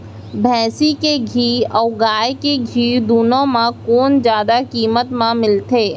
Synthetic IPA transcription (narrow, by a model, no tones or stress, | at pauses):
bʱɛ̃ːsikeɡʱiːɔːɡaːjkeɡʱiːd̪uːnõmãkoːnd͡ʒjaːd̪akiːmət̪mãmɪlt̪ʰeː